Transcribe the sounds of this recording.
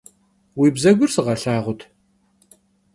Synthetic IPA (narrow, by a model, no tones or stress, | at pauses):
wiːbzɐɡʷʊrsɨʁɐɬaːʁʷʊtʰ